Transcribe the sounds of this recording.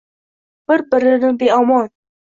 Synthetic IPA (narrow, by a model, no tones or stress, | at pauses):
b̥ɪɾbɪɾɪnɪbeɒmɒn